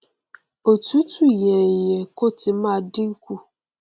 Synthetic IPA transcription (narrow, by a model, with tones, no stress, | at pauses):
o˨tu˦tu˦˨je˨ɲe˨ko˦tɪ˨ma˦˨dɪ˦ŋ̩˦ku˦